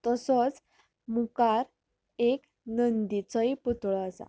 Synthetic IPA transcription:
t̪əsɔt͡s | mukaɾ | ek | nənd̪it͡səjput̪ɭɔəsa̰

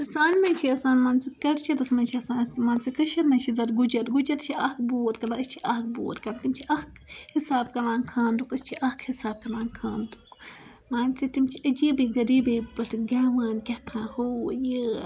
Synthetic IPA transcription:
saːnmɐnʲt͡ʃʰiɐsaːnmaːnsikɐɽt͡ʃʰid̪ɐsmɐnʲt͡ʃʰiɐsãːnsmaːnsikɐʃɐɾmɐnʲt͡ʃʰizɐɾɡud͡ʒɐt̪ɡud͡ʒɐt̪t͡ʃʰiɐkboːt̪̚kɐlaəst͡ʃʰiʔɐk̚bo̰ːt̪kɐlat̪imt͡ʃʰiʔɐkhisaːb̚kɐlãːnkʰaːnd̪ukɐst͡ʃʰiʔɐhkʰhisaːb̚kɐlãːnkʰaːnd̪uk | maːnsit̪imt͡ʃʰiəd͡ʒibiɡɐɾiːbibɐɬɡaːʋaːnkʲɐht̪ʰãːhoji

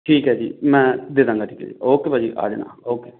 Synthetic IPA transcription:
ʈʰiːkɦɛːd͡ʒḭːmɛ̃ːd̪ɪd̪ãːŋɡaːʈʰiːkɦɛ̰ːd͡ʒḭoːkeːbaːd͡ʒḭːʔa̰ːd͡ʒnã̰ːoːkeː

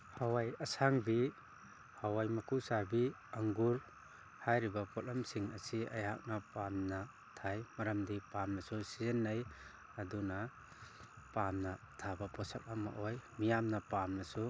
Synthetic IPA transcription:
hawajɐsaŋbi | hawajmɐkʰusaɾbi | aŋɡuɾ | hajɾibapʰɔt̚lamsiŋa̰sia̰jha̰k̚napamna | tʰajmɐɾamdipamnasusizenːaj | aduna | pamna | tʰabapʰɔsak̚ama̰ʔɔjmijamnapamnasu

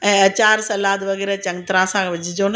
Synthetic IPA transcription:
ɛ̃ːɐt͡ɕaːɾsɐlaːt̪ʋɐɣɛːɾɛt͡ɕɐ̃ŋt̪ɾãsãkʰʋɪd͡ʑʱɪd͡ʑonɐ

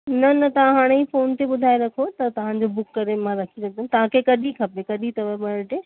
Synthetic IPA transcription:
nɐnɐt̪ɐʋ̤ãɦaːɽ̃eifoːnt̪eɓʊd̪ʱaːeɾɐkʰot̪ɐt̪ɐʋ̤ãd͡ʑobʊkːɐɾemãɾɐkʰilɐɡ̚d̪ɐnt̪ɐʋ̤ãkʰekɐɗikʰɐpekɐɗit̪ɐʋəɓɐɽʈeː

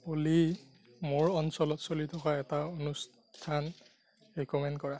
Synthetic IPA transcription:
oli | moɹɔnsɔlɔtsolitʰɔkaɛtaonus | tʰan | ɹikɔmɛndkɔɹa

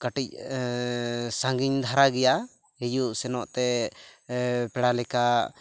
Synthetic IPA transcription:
kaʈic̚ | saŋɡiɲd̪ʱaɾaɡɛja | hɛjuʔsɛnɔʔt̪ɛ | pɛɽalɛka

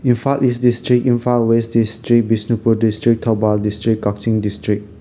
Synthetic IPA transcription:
ĩnfakisdistɹik̚ĩnfakwesdistɹik̚bisnupudistɹik̚tʰɔbaldistɹikːɔk̚tĩŋdistɹik̚

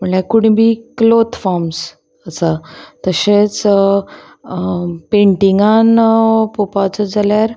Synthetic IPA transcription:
m̤əɳakuɽ̃ĩbʱiːklot̪faɾms | əsat̪əɕet͡s | peɳʈiŋɡanpopat͡səd͡zaljaɾ

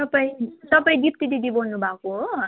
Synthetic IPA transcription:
t̪ʌpaĩt̪ʌpaĩɡip̚t̪iɖ̪iɖibʌɽnubʱakoɦo

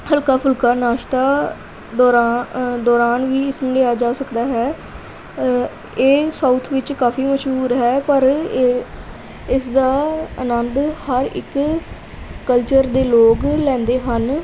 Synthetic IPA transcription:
həlkaːpʰʊlkaːnaːʃt̪aː | d̪ɔːɾaːd̪ɔːɾaːnʋiːɪsmɪleːaːd͡ʒaːsəkd̪aːɦɛː | eːsaːt̪ʰʋɪt͡ʃkaːfiːməʃɦuːɾɦɛːpəɾ | ɪsd̪aːənənd̪həɾɪ̰kː | əlt͡ʃəɾd̪eːloːklɛ̃ːnd̪eːɦən

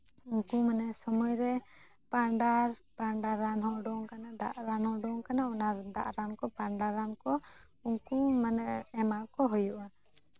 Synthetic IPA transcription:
uŋkumanɛsɔmɔjɾɛ | paɳɖaɾpaɳɖaɾanɦɔʔɖɔŋkanad̪a̰ʔɾanhɔɖɔŋkanaunaɾd̪a̰ʔɾankɔpaɳɖaɾankɔ | uŋkumanɛɛmaʔkɔɦɔjuʔana

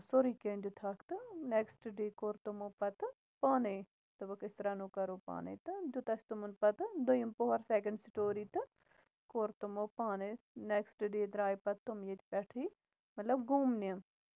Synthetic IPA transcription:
soɾiːkeːnd͡ʒ̪ut̪ʰaːkt̪ɨneksʈɖeːkoɾt̪umoːpɐt̪ | paːneː | t̪ɐʋɐkɪst̪ɾaːnuːkɐɾoːpa̰ːnḛt̪ɨd͡ʒ̪ut̪ɐst̪umunpɐt̪d̪ojimpoɦɐɾseːkɐɳɖsʈoːɾiːt̪ɨ | koːɾt̪umoːpaːne | neksʈɖeːd̪ɾaːjpɐt̪ːumjet̪pɛʈʰiː | mɐt̪lɐbɡuːmniɐm

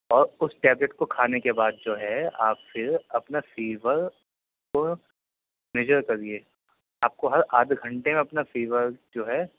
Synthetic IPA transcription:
ɔːɾʊsʈɛːbleʈkokʰaːnekebaːd̪̚d͡ʒoːɦɛa̰ːpfɪɾɐpnafiːʋəɾ | ko | mɛd͡ʒəɾkɐɾieː | aːp̚koɦɐɾaːd̪ʱɡʱɐ̃ɳʈemẽɐpnafiːʋəɾd͡ʒoːɦɛː

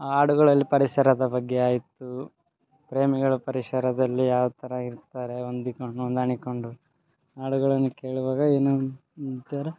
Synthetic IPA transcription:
aːɽuɡɐɭɐlːipɐɾisɐɾɐd̪ɐbɐɡːeaːjit̪ːu | pɾe̞ːmiɡɐɭupɐɾisɐɾɐd̪ɐlːijaːʋɐt̪ʰɐɾɐiɾt̪aːɾe̞ond̪ikoond̪aɳiko̞ɳɖu | aːɽuɡɐɭɐnːike̞ːɭuʋaːɡɐeːnumut̪jaːɾe

